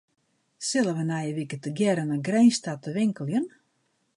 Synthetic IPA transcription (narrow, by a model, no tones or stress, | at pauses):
sɪlˠəʋənajəʋikətəɡjɛɾənəɡrɛjnstatəʋɪŋkəlˠjən